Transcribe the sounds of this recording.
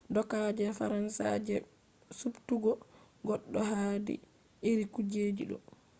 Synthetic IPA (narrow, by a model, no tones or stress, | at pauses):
dɔkad͡ʒɛfaɾansa̰d͡ʒɛ | subtuɡɔ | ɡɔɗːɔɦadḭ | iɾikud͡ʒeːd͡ʒiɗɔ̰